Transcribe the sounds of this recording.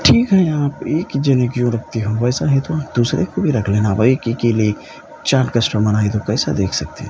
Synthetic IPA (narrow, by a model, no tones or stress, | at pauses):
ʈʰiːkɦɛ̃aːpeːkd͡ʒənekjõɾɐk̚t̪iɦũʋɛjsaɦɛ̃t̪oaːp̚d̪usɾekobʱiɾɐkʰlẽnabəekekelie | t͡ʃãːɾkəsʈəmənaːit̪õkɛjsa̰d̪eːkʰsɐk̚t̪eɦ